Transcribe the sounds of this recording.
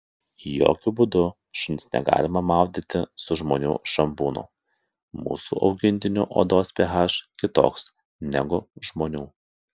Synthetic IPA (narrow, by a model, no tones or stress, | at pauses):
jo̰ːkʲʊbʊd̪ʊ | ʃʊnʲsʲnʲɛ̰ɡɑ̰ːlʲɪmɐmɑˑʊd̪ʲit̪ʲɪsʊʒmoːnʲṵːʃɐmbuːnʊ̰ | mṵːsṵːʔɒ̰ʊɡʲɪnʲt̪ʲɪnʲʊʔo̰ːd̪oːsʲpʲɛɦɑʃkʲɪt̪o̰ːks | nʲɛɡʊʒmoːnʲuː